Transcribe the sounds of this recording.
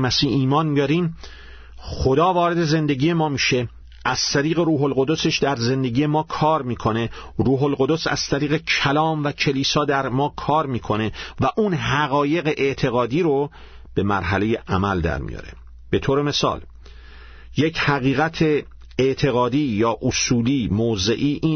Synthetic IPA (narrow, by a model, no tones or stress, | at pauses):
mæsiːhiːmɒːnbijɒɾiːm | χod̪ɒːvɒːɾe̞d̪e̞ze̞nd̪e̞ɟiːje̞mɒːmiːʃe̞ | ʔæz̥t̪ʰæɾiːɣe̞ɾuːɦolɢo̞d̪o̞se̞ʃd̪æɾze̞nd̪e̞ɡije̞mɒːkʰɒːɾmiːkʰo̞ne̞ɾuːɦolɢod̪osæ̰z̥t̪ʰæɾiːɣe̞cʰælɒːmvæcʰe̞liːsɒːd̪æɾmɒːkʰɒːɾmiːkʰo̞ne̞væʔuːnɦæɣɒːje̞ɣeʔeʔt̪ʰe̞ɣɒːd̪iːɾo | b̥e̞mæɾɦæle̞je̞ʔæmæld̪æ̰ɾmḭjɒ̰ɾe̞̰ | b̥e̞t̪ʰoːɾe̞me̞sɒ̰ːl | jechæɣiːɣæt̪ʰe̞ | eʔt̪ʰe̞ɣɒːd̪iːjɒːʔosuːliːmoːzḛʔiːʔiː